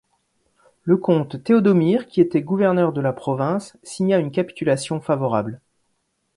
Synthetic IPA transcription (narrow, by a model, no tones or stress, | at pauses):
ləkɔ̃t̪ːeɔd̪ɔmiʁkʲiet̪ɛɡuvɛʁnœʁd̪əlapχɔvɛ̃sːiɲaynkapi̥t̪ylasjɔ̃favɔʁa̰bl